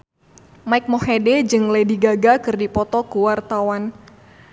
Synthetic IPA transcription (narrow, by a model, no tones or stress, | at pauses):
maik̚mɔhedɛd͡ʒɨŋlediɡaɡakɨrdipɔt̪ɔkuwart̪awan